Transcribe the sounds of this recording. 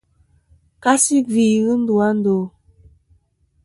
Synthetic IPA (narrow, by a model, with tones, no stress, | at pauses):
ka˦si˦vi˨ɣɨ˦n̩˦du˨a˦n̩˦do˨